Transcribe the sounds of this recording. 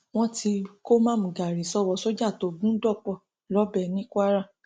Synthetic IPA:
w̃ɔ̃˦ti˧ko˦mã˦˨mũ˨ɡa˨ɾi˨sɔ˦wɔ˧so˦d͡ʒa˦˨to˨˧˨ɡũ˦dɔ˦˨k͡pɔ˦˨ | lɔ˨˦bɛ˧˨nĩ˦kʷa˦ɾa˦˨

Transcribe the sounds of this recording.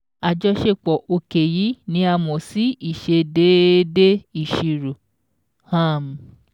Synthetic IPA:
a˨d͡ʒɔ˧˦ʃe˦˨k͡pɔ˨ʔo˧ke˨ji˨˦nĩ˨˦a˧mɔ̃˨si˨˦i˦˨ʃe˧de˨˦de˦i˦˨ʃi˧ɾo˨ | hã˦˨m˨

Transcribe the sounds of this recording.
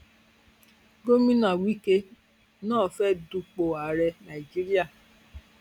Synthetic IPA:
ɡo˦mĩ˦nã˨wi˦ke˧ | nãː˦˨fɛ˦du˧k͡po˨a˨˦ɾɛ˧nã˨i˨d͡ʒi˦ɾi˦a˦˨

